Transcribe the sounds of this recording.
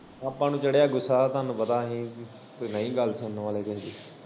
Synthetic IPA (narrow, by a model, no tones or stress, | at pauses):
apːãːnũːt͡ʃəɽejaːɡʊsːaːt̪aːnũːbəd̪aːɦĩː | koinəĩːɡəlsənnʋaːleːkɛɦd̪iː